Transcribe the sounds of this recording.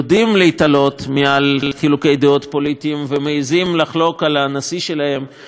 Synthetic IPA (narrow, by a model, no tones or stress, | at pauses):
dimleit̪alo̞t̪mealχilukejd̪eo̞t̪po̞lit̪iːmvemeizimlaχlo̞kalanasiʃe̞lahe̞m